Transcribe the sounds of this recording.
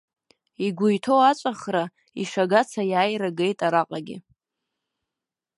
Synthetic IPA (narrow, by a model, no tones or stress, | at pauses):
iɡʷʊjtʰowat͡ʃʷʼaχra | iʂaɡat͡sʰajaːjɾaɡe̞jtʼaɾaqʼaɡʲɪ̰